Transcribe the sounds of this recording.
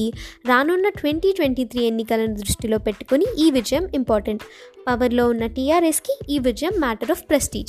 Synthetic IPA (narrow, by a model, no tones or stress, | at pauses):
iɾaːnunːɐʈʋeɳʈiːʈʋeɳʈiːt̪ʰɾiːe̞nːikɐlɐnud̪ɾuʂʈilo̞ːpe̞ʈːu̥kuniʔiːʋid͡ʒɐjɐmimpoːɾʈɐɳʈpɐʋɐɾlo̞ːunːɐʈijaːɾeskiiːʋid͡ʒɐjɐmːaːʈɐɾɔːfpɾɐsʈḭːd͡ʒ